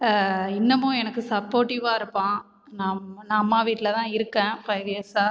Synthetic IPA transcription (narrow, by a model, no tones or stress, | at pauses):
ɪnːɐmːʊ̃ɛnɐkːɯsɐpːoːɾʈɪʋaːɪɾɯpːãː | naːmnãːɐmːaːʋiːʈːɪlɐt̪ãːɪɾɯkːɛ̃ːpɐɪʋɪesaː